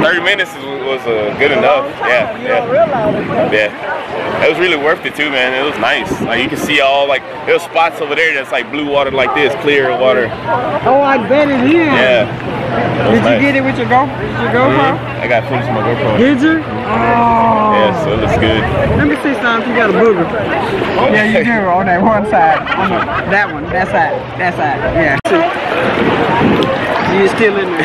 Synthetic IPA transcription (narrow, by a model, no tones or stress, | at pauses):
θɜ˞ɾimɪ̃nɨts | wʌzʌɡʊɾɨnʌfjæjæɹɪlajæ | ɪt̚wʌzɹɪlˠiwɜ˞fθɨd̚tʰʉmæ̃nɪt̚wʌznaɪslaɪkjɨkɨd̥siɔlˠlaɪk | əspɑtsoʊvɨɾə˞ðætslaɪk̚bluwɔɾə˞laɪk̚ðɪskʰl̥ɪɹwɔɾə˞oʊaɪbɛɾɨ̃n̚hiɹjæ | ɨd͡ʒɨɡɛɾɨt̚wɨðə˞ɡoʊfədɨd͡ʒə˞ɡoʊfə | ʔa̰ɪɡɑtfɪ̃zʌ̃maɪɡoʊfʰõdɪd͡ʒə | ojæsoɨtsɡ̥ʊd̥̚mɛ̃mbə˞sɪstãɪ̃mjɨɡɑɾəbuɡəfɛojæjɨdɨonðɨt̚wʌ̃nsaɪd̚õnoðɨt̚wʌ̃nðætsaɪd̚ðɨtsaɪd̥̚jæs | dəjɨstɪlˠɪ̃nə